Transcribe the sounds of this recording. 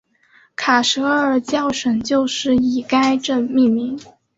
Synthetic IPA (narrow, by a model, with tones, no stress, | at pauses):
kʰa˨˩ʂɤ˧˥ə˞˨˩t͡ɕjɑ˥˩ʊʂə˨˩nt͡ɕjo˥˧ʊʂɻ̩˥˩i˨˩ka˥ɪʈ͡ʂɤ˥˧mi˥˩nmi˧˥ŋ